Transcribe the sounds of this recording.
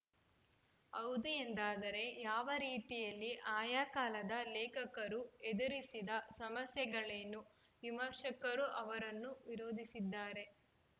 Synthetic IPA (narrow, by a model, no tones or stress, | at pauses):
ɐwd̪uend̪aːd̪ɐɾe̞jaːʋɐɾiːt̪ijɐlːiʔaːjaːkaːlɐd̪ɐlɛːkɐkɐɾued̪ɐɾisid̪ɐsɐmɐsjɛɡɐɭenːuʋimɐɾʂɐkɐɾuʔɐʋɐɾɐnːuʋiɾo̞ːd̪ʱisid̪ːaːɾe̞